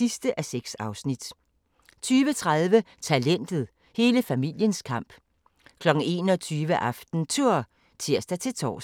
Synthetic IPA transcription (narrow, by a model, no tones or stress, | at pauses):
isd̥əʔæseɡ̥sɑ̈ʊsnid̥ | t͡sʰyːʋət͡sʰʁaðˠʋət͡sʰælen̰d̥ð̩ˠ | he̝ːləfæmil̰jənskʰɑ̈m̰b̥ | kʰlɒ̽ɡ̥n̩e̝̰ːnɒ̽t͡sʰyːʋəʔɑfd̥n̩t͡sʰuɐ̰ | t͡sʰiɐ̰sd̥æt͡sʰe̝t͡sʰɒ̰ː